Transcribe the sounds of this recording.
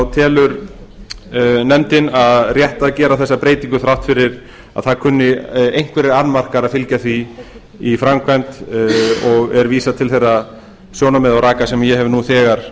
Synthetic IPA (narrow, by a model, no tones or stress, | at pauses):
awt̪ʰɛːlʏɾ | nɛmt̪ɪnaðrjɛht̪aðcɛːɾaðθɛsːapɾeːjt̪iŋkʏθɾawht̪fɪɾɪɾ | a̰ðθaðkʰʏnːɪejŋ̥kvɛɾɪɾanmar̥kaɾaðfɪlcaθiː | fɾamkʰvant̪ | ɔɣɛɾviːsat̪ʰɪlθejrːa | sjoːwnamɛðawɾaːkasɛmjɛɦɛvnuθɛːɣaɾ̥